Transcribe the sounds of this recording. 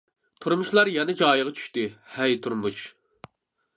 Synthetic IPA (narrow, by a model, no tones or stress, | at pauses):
t̪ʰuɾmuʃlˠɑɾjɛnɛd͡ʒɑːjəʁɑt͡ʃʰy̥ʃt̪ɪhɛjt̪ʰuɾmuʃ